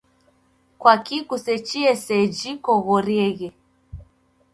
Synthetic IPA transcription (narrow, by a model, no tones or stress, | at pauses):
kwakikusɛt͡ʃiɛsɛd͡ʒikɔɣɔɾjɛɣɛ